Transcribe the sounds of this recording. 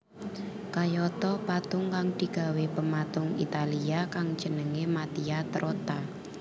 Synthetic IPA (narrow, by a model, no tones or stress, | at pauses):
kajɔt̪ɔpat̪ʊŋkaŋd̪̥i̤ɡ̥a̤wepəmat̪ʊŋḭt̪aliakaŋd̥d͡ʒ̥ə̤nəŋemat̪iat̪ɾot̪a